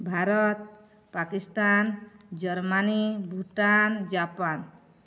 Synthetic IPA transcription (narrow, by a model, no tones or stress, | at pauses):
bʱaɾɔt̪̚ | pakist̪and͡ʒɔɾmanibʱuʈand͡ʒapan